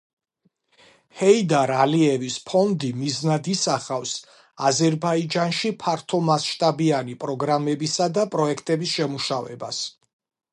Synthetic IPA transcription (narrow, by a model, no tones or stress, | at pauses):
hɛid̪aɾaliɛvispʰɔnd̪imiznad̪isaχafs | azɛɾbaid͡ʒanʃipʰaɾt̪ʰɔmasʃt̪ʼabianipʼɾɔɡɾamɛbisad̪apʼɾɔɛkʰt̪ʼɛbisʃɛmuʃavɛ̰bas